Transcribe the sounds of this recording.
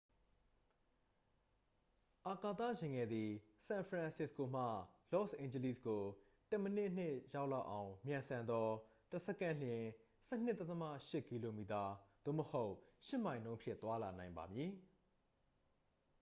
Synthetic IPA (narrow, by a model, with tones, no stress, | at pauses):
ʔa˨ka˨t̪a̰˦˨jɪ̃˨ŋɛ˨d̪i˨ | sã˨npʰɹã˨nsɪ˦sko˨m̥ä̰˦˨lɔ˦sʔẽ˨ɲd͡ʑə˨li˦˨sɡo˨ | tɛ˦˨mə˨nɪ˦ʔn̥ɪ˦˨ʔja˦ʊʔla˦ʊʔã˨ʊ̃mjã˨nsʰã˨nd̪ɔ˦ | tə˨sɛ˦kã˦l̥jɪ̃˨ | sɛ˦n̥ɪ˦˨t̪ɛ˦t̪ə˦ma̰˦˨ʃɪ˦˨ki˨lo˨mi˨ta˨d̪̥o̰˦˨məho˦ʊʔʃɪ˦˨mã˨ɪ̃nõ˦ʊ̃mpʰjɪ̰̃˦˨t̪wa˦la̰˨nã˨ɪ̃mba̰˨mji˨